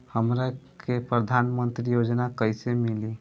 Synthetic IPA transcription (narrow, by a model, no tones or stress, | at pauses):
həmɾakepɾəd̪ʱanmənt̪ɾijod͡ʒnakəjsemili